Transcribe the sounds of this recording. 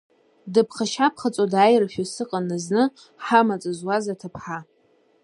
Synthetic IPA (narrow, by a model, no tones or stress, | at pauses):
dɨpʰχaʃapʰχat͡sʼodajrfᶣosɨqʼanɨznɨ | ħamat͡sʼɨzwazatʰapʰħa